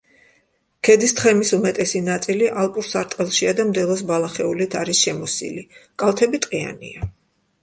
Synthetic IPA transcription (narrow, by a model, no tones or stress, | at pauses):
kʰɛd̪ist̪ʰχɛmisumɛt̪ʼɛsinat̪sʼiliʔalˠpʼuɾsaɾt̪ʼqʼɛlˠʃiad̪amd̪ɛlˠɔs̬balˠaχɛulit̪ʰaɾisʃɛmɔsḭlikʼalˠt̪ʰɛbit̪ʼqʼia̰nḭa